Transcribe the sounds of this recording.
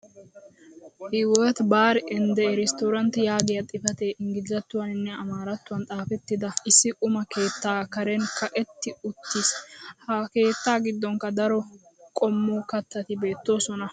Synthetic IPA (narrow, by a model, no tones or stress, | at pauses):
hɪwɔt̪baːɾɪnd̪ɛɾɛst̪oːɾɐnt̪ɪjaːɡɪjɐt̪ʼɪfɐt̪eːʔɪŋɡɪzɐt̪ːʊwɐnɪnːɛɐmaːɾɐt̪ːʊwɐnt̪ʼaːfɛt̪ːɪd̪ɐɪsːɪʔʼʊmɐke̞ːt̪ːaːkɐɾɛnkʰɐʔɛt̪ːɪʊt̪ːishɐke̞ːt̪ːaːɡɪd̪ːɔŋkɐd̪ɐɾɔ | kʼɔmːuːkɐt̪ːɐt̪ɪbe̞ːt̪ːo̞ːsɔnɐ